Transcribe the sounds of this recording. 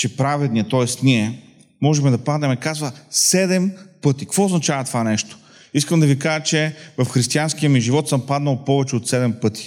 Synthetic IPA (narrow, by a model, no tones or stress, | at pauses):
t͡ʃɛpɾavɛd̪niɛt̪ɔɛst̪niɛ | mɔʒɛmɛd̪ɐpad̪nɛmɛkazvɐsɛd̪ɛmpɤt̪ikvɔoznɐt͡ʃavɐt̪ovanɛʃt̪o̥ | iskəmd̪ɐvikaʒət͡ʃɛvɐfxɾist̪iansk̟iəmiʒivɔt̪sɤmpad̪nɐlˠpɔvɛt͡ʃɛot̪sɛd̪ɛmpɤt̪ʰi̥